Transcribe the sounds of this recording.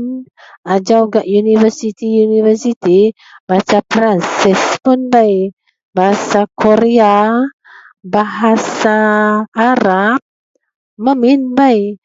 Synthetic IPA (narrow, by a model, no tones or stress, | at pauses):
n | ad͡ʒawɡaʔjunivərsit̪ijunivərsit̪i | bat͡ʃapɾansɛspʊnbaj | baɦasakʰoɾea | baɦasaː | ɾap̚ | məminbaj